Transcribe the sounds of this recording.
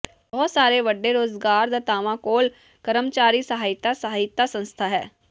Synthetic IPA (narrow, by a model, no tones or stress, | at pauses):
bɔːt̪saːɾeːʋəɖːeːɾoːzɡaːɾd̪aːt̪aːʋãːkoːl | kəɾəmt͡ʃaːɾiːsəɦaːɪt̪ːasəɦaːɪt̪ːaːsə̃nst̪ʰaːɦɛː